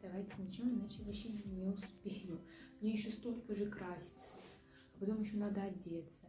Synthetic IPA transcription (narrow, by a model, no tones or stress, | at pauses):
d̪̥ɐvajtʲɪnʲɪt͡ɕɪvoɪnat͡ɕɪvɐɕːenʲɪʊspʲejʊmnʲejɪɕːost̪o̞lʲkəʐɨkɾasʲɪ̥t̪sə̥ | ɐpɐt̪o̞mjɪɕːonad̪əɐdʲet̪sə